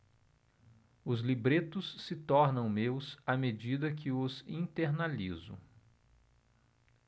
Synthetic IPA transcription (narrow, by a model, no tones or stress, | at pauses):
ʊzlibɾet̪ʊsːɪt̪ɔɾnɐ̃w̃mewsamed͡ʒid̪ɐkʰɪʊzĩt̪eɾnalizʊ̰